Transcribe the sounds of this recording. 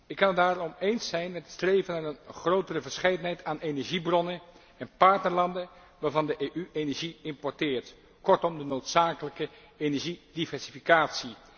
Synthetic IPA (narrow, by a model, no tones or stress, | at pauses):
ɪkːɑnədaːrɔmejnsɛjnmɛtətstrejvənaːrənχrowtərəvəɹsχejdənɦɛjtaːnejnɛɹʒibrɔnən | ɛnpɑɹtnəɹlɑndə | ʋaːɹvɑndəʔeʔyejnɛɹʒiɪmpɔɹtɪːɹt | kɔɹtɔmdənowtsaːkələkə | ejnɛɹʒidivɛɹsifikaːtsi